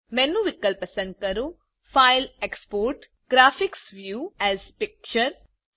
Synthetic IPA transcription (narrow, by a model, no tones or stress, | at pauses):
mɛ̃ːnːũʋɪkːəlpəsə̃nd̪̚kɐɾu | faːɪlekspoːɾʈ | ɡ̥ɾaːfɪksʋjuːɛːzpɪk̚t͡ʃəɾ